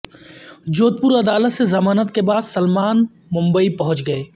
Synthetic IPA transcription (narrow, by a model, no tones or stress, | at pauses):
d͡ʒoːt̪̚pʊɾɐd̪aːlət̪sezɐmaːnət̪kebaːd̪sɐlmaːn | mʊ̃mbəipɐɦʊ̃t͡ʃɡɐeː